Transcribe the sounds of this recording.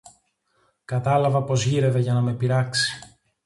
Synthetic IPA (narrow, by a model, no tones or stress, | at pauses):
kɐt̪ɐlɐvɐpo̞zʝiɾe̞ve̞ʝɐnɐme̞piɾɐksi̥